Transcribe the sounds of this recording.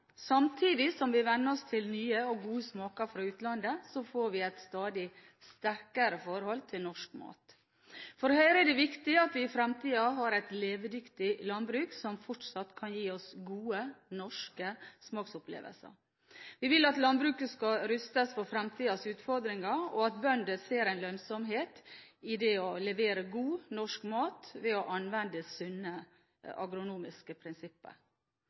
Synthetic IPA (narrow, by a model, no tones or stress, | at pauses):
sɑmt̪ʰiːd̪ɪsɔmʋɪʋɛnːəɾɔst̪ʰɪlnyːəɔɡuːəsmɑːkɑɾfɾɑːʉːt̪lɑnd̪əsɔfoːɾʋɪæɪt̪st̪ɑːd̪ɪ | st̪æɾkəɾəfɔɾhɔlt̪ʰɪlnɔʂkmɑ̰ːt̪ | fɔɾhœʏɾəɛd̪ɛʋɪkt̪ɪɑt̪ʋɪɪfɾɛmt̪ʰiːɑɦɑɾæɪt̪leːʋd̪ʏkt̪ɪlɑnbɾʉːksɔmfɔʈʂɑt̪ːkʰɑnjiːɔsɡuːənɔʂkəsmɑːksʊplḛːʋə̰lsə̰ɾ | ʋɪʋɪlɑt̪lɑnbɾʉːkəskɑɾʏst̪əsfɔfɾɛmt̪ʰiːɑsʉːt̪fɔɾd̪ɾɪŋɑɔɑt̪bœnd̪əseːɾæɪnlœnsɔmɦeːt̪ɪd̪ɛɔlɛʋeːɾəɡuːnɔʂkmɑːt̪ʋɛɔʔɑnʋɛnd̪əsʉnːə | ɑ̰ɡɾʊnuːmɪskəpʰɾɪnsɪpːə̰ɾ